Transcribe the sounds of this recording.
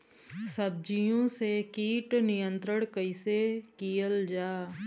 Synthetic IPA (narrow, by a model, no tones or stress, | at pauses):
səb̚d͡ʒijõsekiːʈnɪjə̃nt̪ɾəɽ̃kəɪsekijəld͡ʒaː